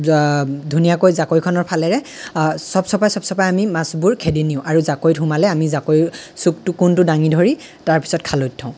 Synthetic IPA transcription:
dʱunijakojzakojkʰɔnɔɹpʰalɛɹɛ | sɔbsɔpajsɔbsɔpajamimasbuɹkʰediniʊ̃ʔaɹuzakojtʰumalɛamizakojsuk̚tʊkuntʊdaŋidʱɔɹi | taɹpi̥sɔt̚kʰalojtʰːãʊ̃

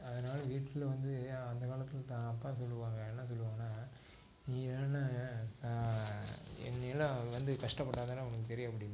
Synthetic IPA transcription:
ɐðɐnaːlɐʋiːʈːɪlʋɐnd̪ɯɐnd̪ɐkaːlɐt̪ːɪlt̪aːɐpːaːsɔlːɯʋaːŋɡɐɛnːɐs̬ɔlːɯʋaːŋɐnaː | niːnːa | ɛ̰nːɐjlɐ̃ʋɐnd̪ɯkɐʂʈɐpːɐʈːaːðaːnɐʋɐnɐk̬ːɯt̪ɛɾɪjɐɐp̬ːɐɽɪj

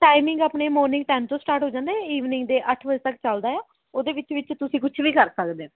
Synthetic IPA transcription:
ʈaːɪmɪ̃ŋɡaːpneːmɔːɾnɪ̃ŋɡʈɛːmt̪õːsʈaːɾʈɦoːd͡ʒãːnd̪aːɦɛiːʋnɪ̃ŋɡd̪eːʔəʈʰʋəd͡ʒət̪əkt͡ʃəld̪aːɛː | oːd̪eːʋɪt͡ʃʋɪt͡ʃt̪ʊsĩːkʊt͡ʃʰʋiːkəɾsəkd̪eː

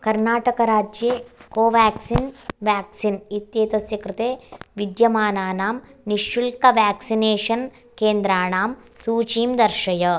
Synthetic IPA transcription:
kɐɾnaːʈɐkɐɾaːd͡ʒjeːkoːʋaːksinʋaːksinit̪jeːt̪ɐsjɐkɾɪt̪eːʋid̪jɐmaːnaːnaːmniʃʋilkɐʋaːksineːʂɐn | keːnd̪ɾaːɳaːm | suːt͡ʃiːmd̪ɐɾʂɐjɐ

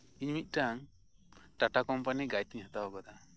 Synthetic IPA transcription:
iɲmit̪̚ʈaŋ | ʈaʈakɔmpaniɡajt̪iɲɦat̪awaɡɔd̪a

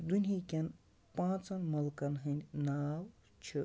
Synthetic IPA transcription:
d̪unʲɦikʲɐn | pãːt͡sɐnmɐlkɐnɦɨnʲnaːw | t͡ʃʰɨ

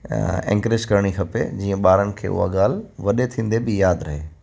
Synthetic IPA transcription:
ɛ̰̃ŋkɾɪd͡ʑkɐɾɽ̃ixʰɐpḛd͡ʑiːə̃ɓaːɾənɪ̆kʰḛːʊ̰ɦa̰ɠaːlʋɐɗet̪ʰĩːn̆d̪ebɪjaːd̪ɾɐɦḛː

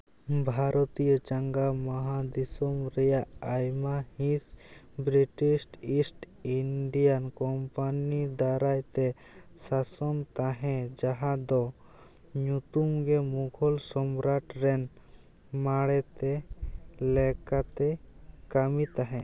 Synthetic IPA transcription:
bʱaɾʔɔt̪ijɔd͡ʒaŋɡamɔɦad̪isɔmɾɛjaʔajmahĩs | bɾiʈisʈisʈ | iɳɖijankɔmpanid̪aɾajt̪ɛ | sasɔmt̪aɦɛ̃d͡ʒaɦad̪ɔ | ɲut̪umɡɛmuɡʰʱɔlsɔmɾaʈɾɛn | maɽɛt̪ɛ | lɛkat̪ɛkamit̪aɦɛ̃

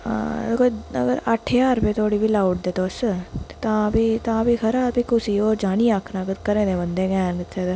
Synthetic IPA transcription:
koə̰ɡəɾəʈʰːeaːɾpeːt̪ʰoːɽiːbʱiːlaːʊʈ̚d̪eːt̪oːsət̪e̥t̪ãːbiːt̪ãːbiːkʰəɾaːɾbiːkʊsiːoːɾd͡ʒaːniːaːkʰnaːkəkəɾẽːd̪ẽːbənd̪eːɡɛːnɪt̪ʰːeːd̪

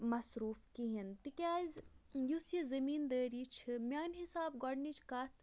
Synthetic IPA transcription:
mɐsɾuːfkiɦint̪ikʲaːzjusjizɐmiːnd̪əːɾiːt͡ʃʰimʲaːnɦisaːbɡɔɖnit͡ʃʰkat̪ʰ

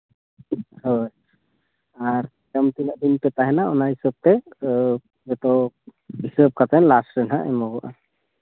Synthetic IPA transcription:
hoj | aɾ | təmt̪inəʔd̪inpɛt̪aɦɛnaɔnaɦisəb̚t̪ɛ | bɛt̪ɔɦisəb̚kʰat̪ɛnlasɾɛnɦaʔɛmɔɡɔʔa

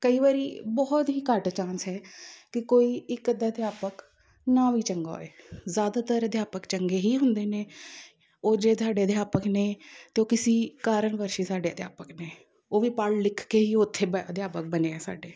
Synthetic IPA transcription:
kəiːʋaːɾiːbɔːt̪ɦiːkəʈt͡ʃãːnsɦɛːkɪkoːiːɪkːəd̪aːd̪ɪjaːpək | naːʋiːt͡ʃəŋɡa̰ːḛːzjaːd̪aːt̪əɾəd̪jaːpəkt͡ʃəŋɡeːɦiːɦʊnd̪eːneː | oːd͡ʒeːt̪aːɖeːəd̪ɪjaːpəkneːt̪eːoːkɪsiːkaːɾənʋəɾʃiːsaːɖeːəd̪ja̰ːpəkneː | oːʋiːpaɽlɪkʰkeːɦiːʊt̪ʰːeːəd̪jaːpək̚bəneːɛːsa̰ːɖeː

